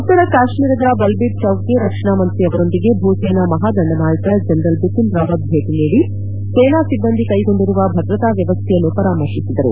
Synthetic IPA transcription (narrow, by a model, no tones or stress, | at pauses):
ɐt̪ːɐɾɐkaːʃmiːɾɐd̪ɐbɐlbiʈ̪̚t͡ʃɐwkeɾɐkʂɐɳaːmɐnt̪ɾiɐʋɐɾo̞nd̪iɡe̞bʱuːsɛːnamɐɦaːd̪ʱɐɳɖɐmaːɭit̪ɐd͡ʒɐnɾɐlbut̪ːinɾaːʋɐt̪̚bʱeːʈiniːɽi | seːnaːsibːɐnd̪ʱikɐjɡo̞ɳɖiɾuʋɐbʱɐd̪ɾɐt̪aːʋjɐʋɐst̪ʰɛjɐnːupɐɾaːmɐɾʂisid̪ɐɾṵ